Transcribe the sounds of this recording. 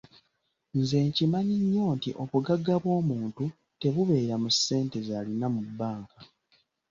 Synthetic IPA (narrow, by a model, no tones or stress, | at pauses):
nze̞ːɲcimaɲiɲːo̞ːntiʔo̞βuɡaɡːaβwo̞ːmuːntu | te̞βuβe̞ːɾamusːe̞ːnte̞zalinamubːaːŋka